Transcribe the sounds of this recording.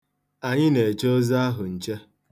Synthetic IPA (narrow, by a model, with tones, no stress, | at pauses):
a˨ɲɪ˦ne˨t͡ʃo˦za˦a˦ɦʊ˨n̩˨t͡ʃe˦